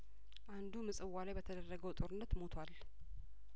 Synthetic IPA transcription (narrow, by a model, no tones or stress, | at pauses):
ʔand̪umɨsʼɨwːalajbət̪ʰəd̪ərːəɡəwt̪ʼo̞ɾɨnːət̪mo̞t̪ʰwal